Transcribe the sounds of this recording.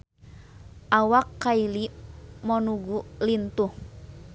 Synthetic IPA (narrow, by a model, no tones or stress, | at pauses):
ʔawakːailimɔnuɡulint̪uh